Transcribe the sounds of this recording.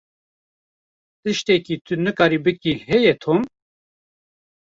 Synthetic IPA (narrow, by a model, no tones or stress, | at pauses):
t̪ɨʃt̪ekit̪ʰɨnɨkɑːɾibɨkiɦɛjɛt̪ʰoːm